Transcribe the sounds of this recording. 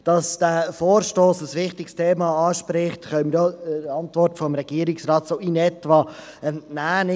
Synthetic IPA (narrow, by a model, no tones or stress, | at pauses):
d̥ɑsd̥æfoːɾʃtoːsəsvɪχtɪkstʰeːmɑɑːʃpɾɪχtχœmdoɾɑntvɔrtfɔmɾɛɡ̥iəɾɪksrɑːtsoːinɛtvɑ | ɛnæːnɪ